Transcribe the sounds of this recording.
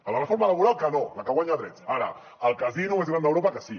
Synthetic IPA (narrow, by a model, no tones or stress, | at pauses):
əlarəfoɾmalaβuɾalˠkənolakəɣwaɲaðɾɛt͡saɾa̰ | əlˠkazinuezɣɾand̪əwɾopakəsi